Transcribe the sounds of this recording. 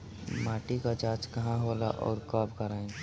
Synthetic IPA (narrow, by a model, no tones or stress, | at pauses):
maːʈikad͡ʒaːt͡ʃkɐɦãɦoːla̰ʔɔ̰ːɾkaːbkɐɾaːẽ